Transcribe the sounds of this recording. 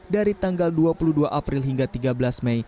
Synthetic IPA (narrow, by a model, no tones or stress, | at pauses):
daɾit̪aŋɡalduapuluduaʔapɾilɦiŋɡat̪iɡabəlasmɛj